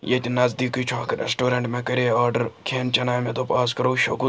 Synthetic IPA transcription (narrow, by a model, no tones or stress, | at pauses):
jet̪ʲinɐzd̪ikut͡ʃʰaːkɐɾḛsʈoːɾɐɳʈmẽkɐɾeaːɾɖɐɾkʰeːnt͡ʃɐnaːjmet̪opaːskɐɾoːʃoku